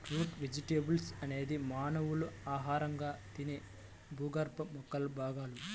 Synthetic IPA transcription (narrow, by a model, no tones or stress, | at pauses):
ʈɾuːʈʋed͡ʒiʈeːbulsɐne̞ːd̪imaːnɐʋuluaːɦaːɾɐŋɡaːt̪ine | bʱuːɡɐɾpɐmɔkːɐlbʱaːɡaːlu